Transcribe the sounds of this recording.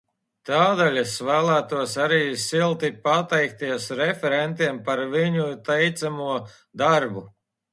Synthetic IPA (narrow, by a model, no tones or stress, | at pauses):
t̪aːd̪alʲɛsvæːlˠæːt̪uɔsaɾiːsilˠt̪ipat̪ɛjk̚t̪iɛsɾɛfɛɾɛnt̪iɛmpaɾviɲut̪ɛjt̪samuɔ | d̪aɾbu